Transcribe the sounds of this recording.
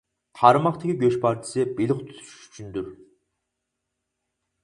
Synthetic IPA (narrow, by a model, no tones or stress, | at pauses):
t̪ʰɑɾmɑχt̪ʰɪkʲʰiɡʲøʃpʰɑɾt͡ʃʰɪ̥sɨbilɪχt̪ʰy̥t̪ʰy̥ʃy̥ʃy̥t͡ʃʰynd̪yɾ